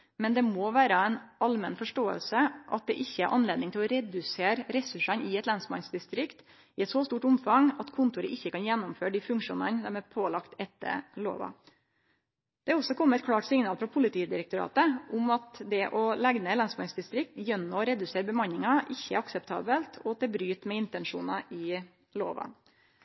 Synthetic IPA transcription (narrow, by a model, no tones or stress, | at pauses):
mɛnd̪ɛmoːʋæːɾəɛnɑlmɛnfɔʂʈoːə̰lsəʔɑ̰t̪̚d̪ɛ̰ʔɪçːəæ̰ɾʔɑnleːd̪nɪŋt̪ɪlɔɾɛd̪ʉseːɾɾɛsʉʂɑnɪɛt̪lɑnsmɑ̰nsd̪ɪst̪ɾɪkt̪ | ɪɛt̪sɔst̪uːʈʊmfɑŋɑt̪kʰʊnt̪ʊɾəʔɪçːəkɑnjɛnːʊmføːɖifʉŋkʂṵːnənd̪ɛmæpʰoːlɑkt̪ɛt̪ːə̰ɭo̰ːʋɑ̰ | d̪̥ɛæɔsɔkʰɔmːəɛt̪̚kʰɽɑːʈsɪŋnɑːlfɾɑpʰʊlɪt̪ʰiːd̪ɪɾəkt̪ʊɾɑ̰ːt̪əʊmɑt̪d̪ɛʔɔlɛɡnəɛt̪lɑnsmɑnsd̪ɪst̪ɾɪk̚t̪jœnːɔɔɾɛd̪ʉseːɾbəmɑnɪŋɑʔɪçːəæɾɑksɛp̚t̪ʰɑ̰ːbəlt̪ʰɔt̪ʰɛbɾyːt̪mɛɪnt̪ɛnʂuːnɑʔɪ | lo̰ːʋɑ̰